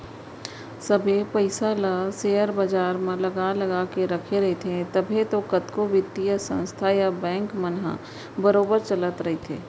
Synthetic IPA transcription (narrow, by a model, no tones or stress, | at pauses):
səbʱepəɪsaləseːəɾbad͡ʒaːɾmẽlɐɡalɐɡakeɾɐkʰeɾɐɦet̪ʰẽt̪ɐbʱet̪okɐt̪kobɪt̪ːijəsə̰̃nst̪ʰajabɛ̃ːŋkmənɦa̰ | bəɾoːbəɾt͡ʃələt̪ɾɐɦet̪ʰḛː